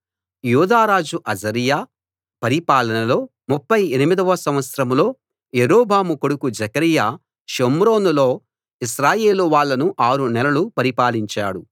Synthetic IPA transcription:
juːd̪aːɾaːd͡ʒuʔɐd͡ʒɐɾijaː | pɐɾipaːlɐnɐlo̞ː | mupːɐjenimid̪ɐʋɐsɐ̃mʋɐt̪sɾɐmlo̞ː | jeɾoːbʱaːmukoɽukud͡ʒɐkɐɾijaː | ʃomɾo̞ːnulo̞ː | iʃɾaːje̞ːluʋaːɭːɐnuʔaːɾunɛlɐlupɐɾipaːliɲt͡ʃa̰ːɽu

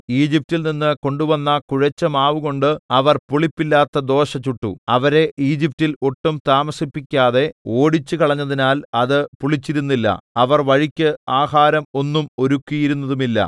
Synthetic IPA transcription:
iːd͡ʑip̚tilninːɨko̞ɳɖuʋɐnːɐkuɻɐt͡ɕːɐmaːʋuɣo̞ɳɖɨɐʋɐrpuɭipːilːaːt̪ːɐd̪o̞ːɕɐt͡ɕːuʈːṵɐʋɐɾe̞ʔiːd͡ʑip̚tilo̞ʈːumt̪aːmɐsipːikʲːaːðe̞o̞ːɽit͡ɕːukɐɭɐɲːɐðinaːlɐðɨpuɭit͡ɕːiɾunːilːɐ̰ɐʋɐrʋɐɻikʲːɨaːhaːɾɐmo̞nːumo̞ɾukʲːijiɾunːɐðumilːɐ̰

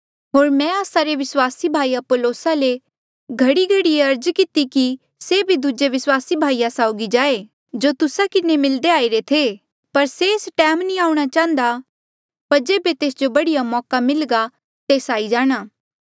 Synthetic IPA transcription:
ɦoːɾmɛ̃aːsaɾeʋɪswaːsibʱaːiɐpoloːsale | ɡʱɐɽiɡʱɐɽieɐɾd͡ʒkɪt̪iki | sebʱid̪uːd͡ʒeʋɪswaːsibʱaːijasaːʊɡid͡ʒaːe | d͡ʒoːt̪ʊsakɪnemɪld̪eaːiɾet̪ʰe | pɐɾseːsʈɛːmnĩaːũɽ̃at͡ʃãːnd̪a | pɐɾd͡ʒeːbet̪eːsd͡ʒobɐɽijamɔːkamɪlɡa | t̪eːsaːid͡ʒaːɽ̃aː

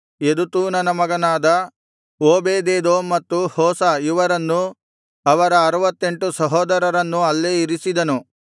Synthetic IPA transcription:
ed̪ut̪uːnɐnɐmɐɡɐnaːd̪ɐ | oːbeːd̪eːd̪oːmɐt̪ːuhɔːsɐiʋɐɾɐnːu | ɐʋɐɾɐːɾɐʋɐt̪ːe̞ɳʈusɐɦɔːd̪ɐɾɐɾɐnːuɐlːeːiɾisid̪ɐnu

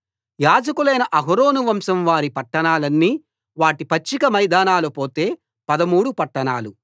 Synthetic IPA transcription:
jaːd͡ʒɐkulɐjnɐʔɐɦɾoːnuʋɐmsɐmʋaːɾipɐʈːɐɳaːlɐnːiː | ʋaːʈipɐt͡ʃːikɐmɐjd̪aːnaːlupo̞ːt̪e̞ː | pɐd̪ɐmuːɽupɐʈːɐɳa̰ːlu

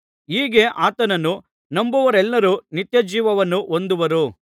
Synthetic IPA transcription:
iːɡe̞ʔaːt̪ɐnɐnːu | nɐmbuʋɐɾɛlːɐɾunit̪jɐd͡ʒiːʋɐʋɐnːuʔond̪uʋɐɾu

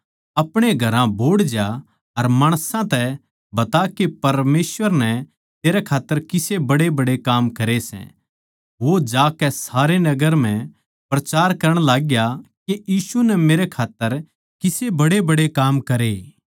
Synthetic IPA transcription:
ɐpɽ̃eɡʱɐɾãbʱoːɽd͡ʒa | ɐɾmaːɽ̃sãt̪ɛ | bɐt̪akepɐɾmeːsʋəɾnɛ | t̪eːɾɛkʰaːt̪ːəɾkɪsebɐɽebɐɽekaːmkɐɾesɛ̰̃ | ʋod͡ʒaːkɛsaːɾenɐɡəɾm̤ɛ̃ | pɾɐt͡ʃaːɾkɐɾəɽ̃laːɡjakejiːsunɛmeːɾɛkʰaːt̪ːəɾ | kɪsebɐɽebɐɽekaːmkɐɾe

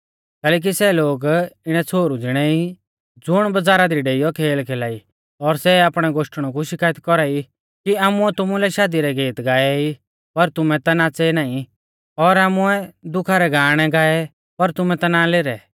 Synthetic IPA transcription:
kɛːlɛːk̬isɛloːɡɪɽ̃ɛt͡sʰoːɾud͡zɪɽ̃ɛi | d͡zʊɽ̃bɐd͡zaːɾad̪iɖeːɪjɔkʰeːlkʰeːlaːi | ɔɾsɛaːpɽ̃ɛɡoːʃʈɽ̃ɔk̬uʃɪkaːjət̪kɔɾai | kiaːmʊɛt̪ʊmulɛʃaːd̪iɾɛɡeːt̪ɡaːɛi | pɐɾt̪ʊmɛt̪anat͡seɛnaːĩ | ɔɾaːmuɛd̪ʊkʰaɾɛɡaːɽ̃ɛɡaːɛ | pɐɾt̪ʊmɛ̃t̪analeːɾɛ

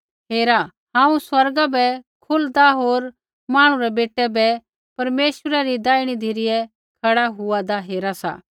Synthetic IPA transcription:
ɦeːɾa | ɦãːũswɐɾɡabɛkʰʊld̪aɦoːɾ | maːɽ̃ũɾɛbeːʈːɛbɛ | pɐɾmeːʃəɾaɾid̪aːiɽ̃id̪ʱiɾɪjɛ | kʰɐɽaɦʊad̪aɦeːɾasa̰

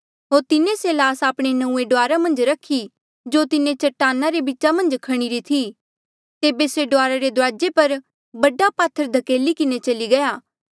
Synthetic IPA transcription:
ɦoːɾt̪ɪnẽselaːsaːpɽ̃enɐ̃ũːeɖoaːɾamɐ̃nd͡ʒɾɐkʰːi | d͡ʒoːt̪ɪnẽt͡ʃɐʈːaːnːaɾebitːt͡ʃamɐ̃nd͡ʒkʰɐɽ̃iɾit̪ʰi | t̪eːbeseɖoaːɾaɾed̪ʊɾaːd͡ʒepɐɾ | bɐɖapaːt̪ʰːəɾd̪ʱɐkeːlikɪnet͡ʃɐliɡɐjaː

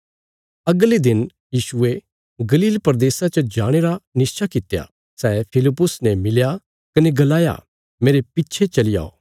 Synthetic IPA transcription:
ɐɡled̪ɪn | jiːʃʊe | ɡɐliːlpɐɾd̪eːsat͡ʃɐd͡ʒaːɽ̃eɾanɪst͡ʃʰakɪt̪ːja̰ | sɛːpʰɪlɪpːʊsnɛ̃mɪlja | kɐneɡɐlaːja̰ | meːɾepɪtːʃʰet͡ʃɐlɪja̰ːo̰ː

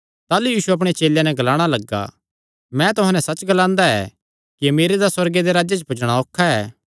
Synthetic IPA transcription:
t̪aːlujiːsuɐp̬ɽ̃et͡ʃeːljanɛɡɐlaːɽ̃alɐɡːa̰ | mɛ̃t̪ʊɦãnɛsɐt͡ʃɡɐlãːnd̪aɛ̰ | kiɐmeːɾed̪aswɐɾɡed̪eɾaːd͡ʒet͡ʃpʊt͡ʃɽ̃aoːkʰːaɛː

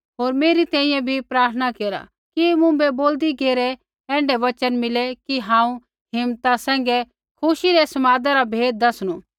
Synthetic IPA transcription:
ɦoːɾmeːɾit̪ɛ̃ːĩjɛ̃bʱipɾaːɾt̪ʰənakeːɾa̰ | kimʊ̃bɛboːld̪iɡeːɾɛ | ɛ̃ːɳɖɛʋɐt͡ʃənmɪlɛkiɦãːũ | ɦɪmt̪asɛ̃ːŋ̆ɡɛ | kʰʊʃiɾɛsɐmaːd̪aɾabʱeːd̪̚ːɐsɽ̃uː

